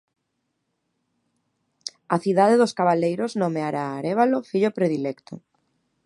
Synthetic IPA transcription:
aθiðaðeðoskaβalejɾoznomeaɾaːɾeβalofiʎopɾeðilekt̪o

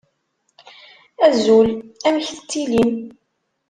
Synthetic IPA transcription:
æzulæmçθt̪ːilim

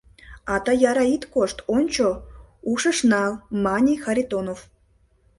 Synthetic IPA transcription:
ɑt̪ɑjɑɾɑit̪koʂt̪ont͡ɕo | uʂəʂnɑmɑnʲixaɾʲit̪onof

